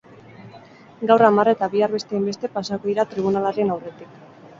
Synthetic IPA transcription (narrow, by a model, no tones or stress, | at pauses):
ɡawramare̞t̪aβiaɾβe̞st̪e̞imbe̞st̪e̞pasakoðiɾat̪ɾiβ̞unalaɾe̞nawre̞t̪ik